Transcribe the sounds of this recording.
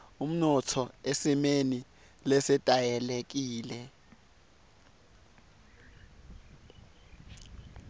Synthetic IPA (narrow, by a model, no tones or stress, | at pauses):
um̩nɔtʰɔesimeni | lɛsɛtʼajɛlek̬iːlɛ